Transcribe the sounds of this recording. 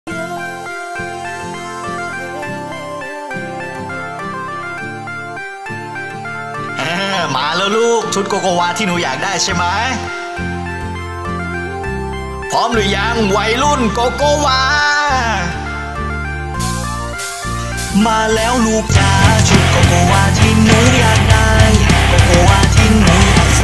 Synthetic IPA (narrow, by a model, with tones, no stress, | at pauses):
ʔaː˧˩maː˨˦lɤː˧˥˩luː˥˩k̚t͡ɕʰu˦˥t̪̚koː˧koː˧waː˧t̪ʰiː˥˩nuː˨˦jaː˨˩k̚daː˥˩jt͡ɕʰa˥˩jma˦˥j | pʰɔː˨˥mlɯ˨˩˦jaː˧ŋwa˧˩jlu˥˩nkoː˧koː˧˩waː˧ | maː˧lɛː˦˥wluː˧˩k̚t͡ɕaː˧t͡ɕʰu˦˥t̪̚koː˧˩koː˧waː˧t̪ʰiː˥˩nuː˨˦jaː˨˩k̚da˥˩jkoː˧˩koː˧waː˧t̪ʰiː˧˥˩nuː˨˦